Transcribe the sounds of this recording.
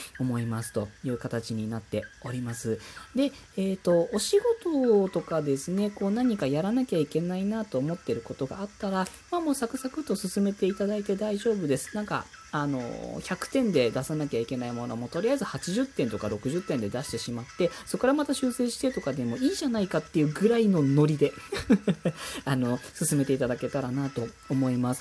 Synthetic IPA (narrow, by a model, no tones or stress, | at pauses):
o̞mo̞imasɨ̥t̪o̞jɯ̟ːkat̪at͡ɕiɲ̟inat̪ːe̞o̞ɾʲimasɨd̪e̞ | eːt̪o̞oɕiɡo̞t̪o̞t̪o̞kad̪e̞sɨne̞ko̞ːnaɲ̟ikajaɾanakʲaikʲe̞nainat̪o̞ːmo̞t̪ːe̞ɾɯ̟ko̞t̪o̞ɡa̰ːt̪ːaɾa | mamo̞ːsakɯ̟sakɯ̟t̪o̞sɨsɨme̞t̪e̞it̪ad̪ait̪e̞d̪aiʑo̞ːbɯ̟d̪e̞sɨ̥nãŋka̰ː | no̞̰çʲakɯ̟̥t̪ẽ̞nd̪e̞d̪asanakʲaikʲe̞naimo̞no̞̰mo̞t̪o̞ɾʲijaizɨhat͡ɕiʑɨt̪ːẽ̞nt̪o̞kaɾo̞kɯ̟ʑɨt̪ːẽ̞nd̪e̞d̪aɕi̥t̪e̞ɕimat̪ːe̞so̞kːoɾamat̪aɕɨːse̞ːɕi̥t̪e̞t̪o̞kad̪e̞mo̞iːʑanaikat̪ːe̞jɯ̟ːɡɯ̟ɾaino̞no̞ɾʲid̪e̞ | ano̞sɨsɨme̞t̪e̞it̪ad̪ake̞t̪aɾanat̪o̞ːmo̞imasɨ̥